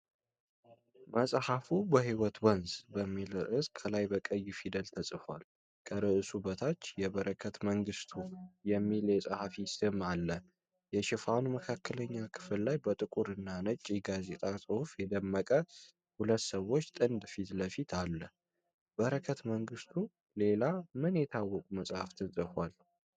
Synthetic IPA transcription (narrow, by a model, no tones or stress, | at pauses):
məsʼhafubəhiwɔt̪wənzbəmːilʔɨskʰːəlajbəkʼəjːfid̪əlt̪ʰəsʼɨfal | kʰəɾɨʔɨsubət̪ʰat͡ʃːjɛβəɾəkʰət̪məŋɡɨst̪ʰujɛmːiljɛsʼahafisɨmalːə | jɛʃɪfanuməkʰakʰːələɲːakʰɨ̥fɨllajbət̪ʼɨkʼuɾɨnːanət͡ʃʼːiɡazet̪ʼasʼɨhufjɛd̪əmːəkʼə | hulət̪ːsəwːo̞t͡ʃːt̪ʼɨnd̪fit̪ləfit̪ʰalːə | b̥əɾəkʰət̪məŋɡɨst̪ʰu | le̞lamɨnjɛt̪ʰawːɔkʼuməsʼhaft̪ʰəsʼɨfal